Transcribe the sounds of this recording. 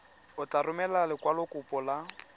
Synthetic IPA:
ʊt͡ɬarʊmɛlalɪkwalʊkʼʊpʼɔla

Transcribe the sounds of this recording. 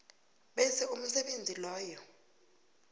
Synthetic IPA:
ɓɛsɛum̩sɛɓend͡zʱilɔːjɔ

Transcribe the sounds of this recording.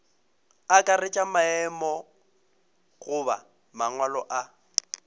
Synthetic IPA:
akʼarɪt͡ʃʼamaɛmɔ | ɣʊba̰ | maŋwalɔʔa

